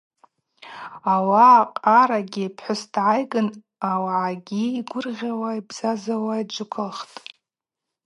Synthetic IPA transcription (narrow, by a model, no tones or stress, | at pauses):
awaqʼaɾaɡʲipʰħʷʊsdʕajɡɨn | awaʕaɡʲiːɡʷʊrʁʲawaibz̥azawaid͡ʒʷʊkʰɨlχtʼ